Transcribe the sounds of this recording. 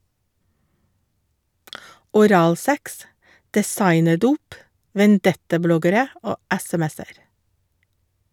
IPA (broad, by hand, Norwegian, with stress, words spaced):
ɔˈɾɑːlˌsɛks dɛˈsɑɪnəˌduːp ʋɛnˈdɛtɑˌblɔɡəɾə ˈoː ˈɛsɛˌmɛsəɾ